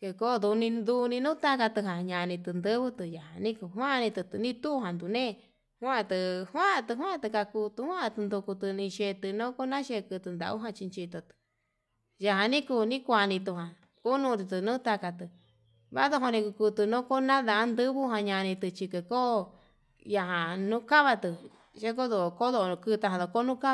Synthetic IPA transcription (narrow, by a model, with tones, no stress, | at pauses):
ke˧ko˦d̪u˧nĩ˧nd̪u˧nĩ˧nũ˦t̪a˦ka˧t̪ɨ˧ɦã˨ɲã˧nĩ˧t̪ɨ˧nd̪ɨ˦βɨ˦t̪ɨ˧˨ja˨ɦa˨nĩ˦ku˧ɦwã˦˧nĩ˧t̪ɨ˧t̪ɨ˧nĩ˦t̪u˦˧ɦã˨nd̪u˨nẽː˦˧ | hwã˦˧t̪ɨ˧hwã˦˧t̪ɨ˧ɦwã˦˧t̪ɨ˧ka˧kuː˧t̪u˧hwã˦˧t̪ɨ˧nd̪u˧ku˧t̪ɨ˧nĩ˧ʃe˧t̪ɨ˧nõ˦ko˦nã˦ʃe˧kɨ˧t̪ɨ˧nd̪a̰˧˨u˦ɦã˧t͡ʃi˧nt͡ʃi˧t̪o˧t̪ɨ̥˧ | ja˧ɦã˧nĩ˦ku˧nĩ˦kʷa˧nĩ˧t̪u˧ɦã˨ | ku˦nũ˧ɾi˧t̪ɨ˧nũː˦t̪a˧ka˧t̪ɨ˧ | βa˦ðo˦˧ɦo˧nĩ˧ku˧ku˧t̪ɨ˧nõ˦ko˦nã˦ða˧˨˧nd̪ɨ˦βu˦ɦã˧ɲã˧nĩ˧t̪ɨ˧t͡ʃi˧ke˧ko˦ | ja˧ɦã˨nũ˦ka˦βa˧t̪ɨ˧ | ʃe˦k̬o˦ðo˧˨ko˦ðo˧nũ˧kɨ˧t̪a˧ɦã˧ðo˧˨ko˦nũ˦ka˦˧